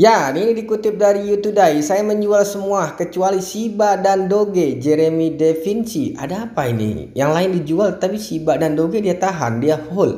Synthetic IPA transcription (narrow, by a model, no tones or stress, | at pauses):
janinidikut̪ɪp̚daɾijut̪udaisajaməɲd͡ʒualsəmuahkət͡ʃualisibaʔdandoɡed͡ʒɛɾemidefinsiʔa̰daːpainḭjaŋlaɪndid͡ʒualt̪ət̪apisibaʔdandoɡediat̪aɦa̰ndiafʊl